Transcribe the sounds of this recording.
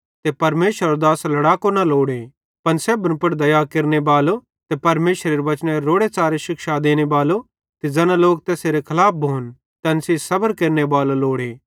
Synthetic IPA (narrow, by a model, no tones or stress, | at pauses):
t̪epɐɾmeːʃəɾod̪aːslɐɽaːkonɐloːɽe | pɐnsɛːbənpʊɽd̪ɐjakeɾnebaːlo | t̪epɐɾmeːʃɾeɾiʋɐt͡ʃnẽeɾoːɽet͡saːɾeʃɪkʃad̪eːñebaːlo | t̪ed͡ʒɛːnãloːk̚t̪ɛːseɾekʰɐlaːp̚ʰbʱoːn | t̪ɐnsesɐbəɾkeːɾnebaːloloːɽeː